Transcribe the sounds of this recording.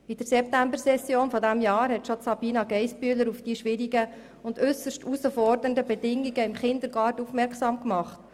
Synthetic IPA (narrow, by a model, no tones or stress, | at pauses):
id̥əɾsɛp̚tæmbəsɛsjoːnfɔdæmjɑːɾɦɛtʃɔtsɑbiːnɑɡɛɪspyːləɾufd̥iːʃʋɪɾiɡə | ʊndʏsəʃtusəfɔɾdəndəbɛdɪŋːiɡəɪmχɪnd̪əɾɡɑːɾtufmɛɾksɑːmkmɑχt